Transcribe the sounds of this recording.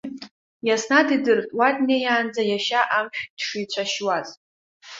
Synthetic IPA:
jasnadidɨrtʼwatʼnejaːnd͡zajaʃaʔamʃᶣd̥ʂijt͡ɕʷʰaʃwaz

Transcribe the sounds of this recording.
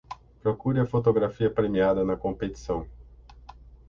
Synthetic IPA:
pɾokuɾɪɐfot̪̬oɡɾafiɐpɾemiad̪ɐnɐkõpet̪i̥sɐ̃w̃

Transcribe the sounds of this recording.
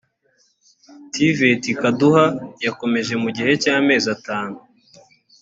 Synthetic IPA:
tivetikaduhajako̞me̞ʒe̞muɟihe̞caːme̞ːzataːnu

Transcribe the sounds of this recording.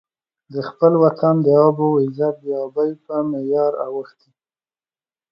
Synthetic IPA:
d̪əxpəlwat̪ʰand̪əɑbowɪzat̪̚d̪əɑbajpəmejɑɾa̰wəxt̪i

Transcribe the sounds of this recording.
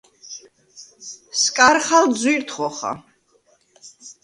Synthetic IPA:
skʼaɾχald̪zwiɾt̪ʰχɔχa̰

